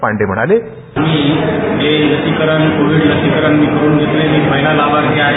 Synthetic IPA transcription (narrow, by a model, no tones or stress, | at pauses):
pa̰ɳɖem̤əɽ̃a̰le | amiːɦeɾət̪ikəɾənkoʋiɽɾət̪ikəɾəɳmiːkəɾuːnɡʱet̪lemekməɦjlalaʋaɾɡʱja